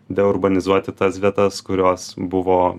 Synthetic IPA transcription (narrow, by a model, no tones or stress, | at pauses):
d̪ʲɛʊɾbɐnʲɪzuɔt̪ʲɪt̪ɐsʋʲiɛt̪ɐskʊɾʲoːsbʊʋoː